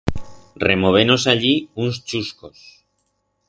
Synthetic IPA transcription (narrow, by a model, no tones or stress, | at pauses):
remo̞β̞eno̞saʎiunst͡ʃuskos